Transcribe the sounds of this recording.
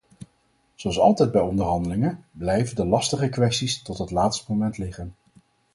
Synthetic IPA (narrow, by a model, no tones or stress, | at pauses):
zoɑlˠsɑ̰lˠtɛjd̚bɛjɔndəɹɦɑndəlɪŋənblɛjvəndəlɑstəχəkʋɛstistɔtɦətlaːtstəmomɛntlɪχən